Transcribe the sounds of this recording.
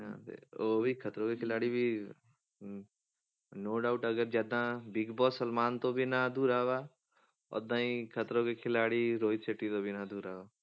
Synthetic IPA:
ɦã̰t̪ḛoːbʱikʰɐt̪ɾõkekʰɪlaːɽibʱi | noːɖaːʊʈɐɡəɾd͡ʒaːd̪ãbɪɡbɔːsəlmaːnt̪obʱinad̪uːɾaːʋa | ɔ̰d̪ãːĩkʰət̪ɾõkekʰɪlaːɽiɾoːiseʈːit̪obʱinad̪uːɾaːʋaː

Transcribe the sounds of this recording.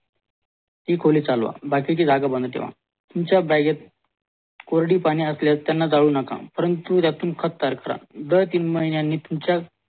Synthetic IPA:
t̪iːkʰoliːt͡salʋa̰bakit͡ɕiːd͡zʱaɡabənd̪t̪ḛʋ̤a̰ | t̪umt͡ɕjabaɡat̪̚ | koɾɽiːpaɽ̃iːəsljat̪ːjanːad͡zaɭuːnəkã̰pəɾənt̪ut̪jat̪ʰːuːmkʰət̪ːaɾkəɾa̰d̪əɾt̪iːnməɦinjanːiːt̪umt͡ɕja

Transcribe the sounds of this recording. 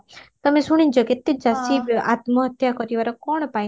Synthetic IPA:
t̪əmesuɽ̃ĩnd͡ʒɔket̪ːed͡ʒasiʋjʔat̪məɦət̪ʰjakɔt̪iʋaɾɔkɔɳ̃paj

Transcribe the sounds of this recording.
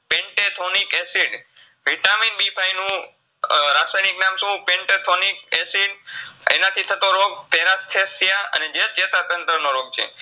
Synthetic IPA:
pẽɳʈet̪ʰonikesiɖ | ʋiʈaminbipʰajnũ | ɾasajniknamʃũpẽɳʈet̪ʰonikesiɖḛnat̪ʰit̪ʰət̪oɾoɡ̚p̪eɾast̪ʰesjaə̰ned͡ʒet͡ʃet̪at̪ənt̪ɾənoɾoɡ̚t͡ʃʰḛ

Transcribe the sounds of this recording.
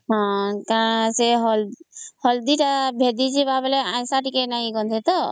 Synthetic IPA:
ɦɔ̃kãseɦɔlhɔld̪iʈabʱed̪id͡ʒibabeleãjsaʈikenaĩɡɔ̃nd̪ʱet̪ɔ

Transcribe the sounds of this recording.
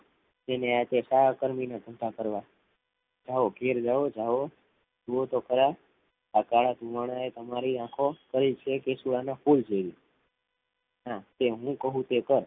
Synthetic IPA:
d͡ʒeneat̪esaakəɾminat̪ənt̪ʰakəɾʋa | d͡ʒaʋokʰeɾd͡ʒaʋod͡ʒaʋo | d͡ʒuot̪okəɾa | akaɭad̪ʱũʋaɽ̃aet̪əmaɾiãkʰokəɾit͡ʃʰekesuɭanafuld͡ʒeʋi | ɦãt̪eɦũkəɦũt̪ekəɾ

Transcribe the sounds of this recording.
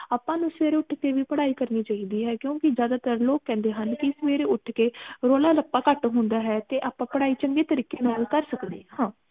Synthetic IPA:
aːpːãːnũːsəʋeːɾeːʊʈʰkeːʋiːpəɽaːiːkəɾniːt͡ʃaːiːd̪iːɦɛːkjõːkɪd͡ʒjaːd̪aːt̪əɾloːkːɛ̃ːnd̪eːɦənkɪsəʋeːɾeːʊʈʰkeːɾoːlaːləpːaːkəʈɦʊ̃nd̪aːɦɛːt̪eːʔaːpãːpəɽaːiːt͡ʃəŋɡeːt̪əɾiːkeːnaːlkəɾsəkd̪eːhãː

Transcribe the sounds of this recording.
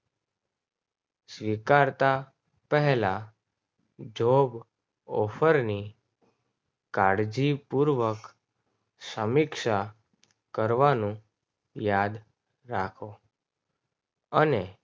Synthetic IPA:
sʋikaɾt̪a | pəɦɛla | d͡ʒʱob | ɔfʰəɾni | kaɽd͡ʒipuɾʋək | səmɪkʃa | kəɾʋanũ | jad̪ | ɾakʰo | əne

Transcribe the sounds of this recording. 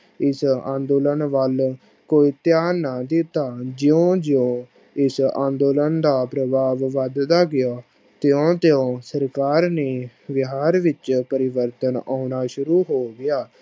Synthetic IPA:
ɪsã̰ːnd̪oːlənʋəl | koːiːt̪jaːnaːd̪ɪt̪aːd͡ʒɪõːd͡ʒɪõː | ɪsã̰ːnd̪oːlənd̪aːpɾəbaːʋʋəd̪d̪aːɡɪjaː | t̪ɪõːt̪eõːsəɾkaːɾneː | ʋɪɦaːɾʋɪt͡ʃpəɾɪʋəɾt̪ənaːʊnaːʃʊɾuːɦoːɡɪjaː

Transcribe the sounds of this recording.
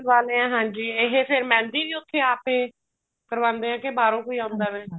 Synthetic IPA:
ʋaːleːãːɦãːɲd͡ʒiːɪɦeːpʰɪɾmɛ̃ːnd̪iːʋiːʊt̪ʰːeːaːpeː | kəɾʋãːnd̪eːãːkebaːɾõːkoːiːãːʊnd̪aːʋeː

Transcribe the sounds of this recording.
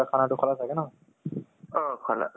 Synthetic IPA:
akʰanatʊkʰɔlasʰaɡɛnɔ | ɔkʰala̰

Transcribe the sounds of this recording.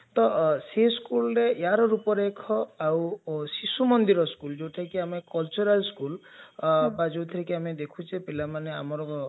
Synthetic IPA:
t̪ɔseskulɔɾejaɾɔɾupɔɾekʰɔawsisumɔnd̪iɾɔskuld͡ʒewʈʰakiamekɔlt͡ʃuɾalskul | bad͡ʒowt̪ʰiɾekiamed̪ekʰut͡ʃʰepilamanea̰mɔɾɔɔ

